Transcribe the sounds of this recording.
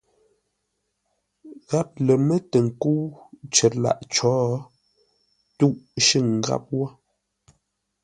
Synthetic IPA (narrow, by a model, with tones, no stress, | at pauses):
ɣa˦p̚lə˨mə˦tə˨ŋ̩˨ku˦wt͡ʃə˨la̰˨ʔt͡ʃɔː˨˦ | tu˦ʔʃi˦˨ŋ˨ɡa̰˦p̚wɔ˦